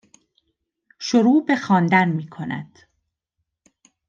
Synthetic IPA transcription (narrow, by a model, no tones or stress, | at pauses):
ʃoɾuːbe̞xɒːnd̪ænmiːkʰo̞næ̰d̪̥